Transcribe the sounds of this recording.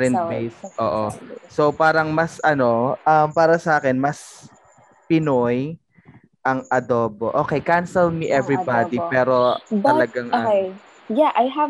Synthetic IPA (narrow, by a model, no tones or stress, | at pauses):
ɛnt̪ejsʔo̰ːʔoso̞paːɾɐŋmɐsʔɐno̞ʔɐmpaːɾɐsɐʔaːkɛnmɐs | pɪnoj | ʔɐŋʔɐd̪oːboʔoːkɛjkansɛlmiʔɛvɹibad̪ipɛːɾo̞ɐlɐɡaŋʔɐ | jaʔajɦɐ